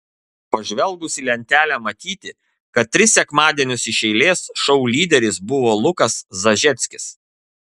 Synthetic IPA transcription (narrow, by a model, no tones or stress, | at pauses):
pɐʒʲʋʲɛlˠɡʊsʲilʲɛnʲt̪ʲæːlʲæmɐt̪ʲiːt̪ʲɪ | kɐt̪̚ʲːɾʲɪsʲɛkmɑːd̪ʲiɛnʲʊsɪʃʲɛɪlʲeːsʃɒʊlʲiːd̪ʲɛɾʲɪsbʊʋoːlˠʊkɐszɐʒʲɛt̪sʲkʲɪs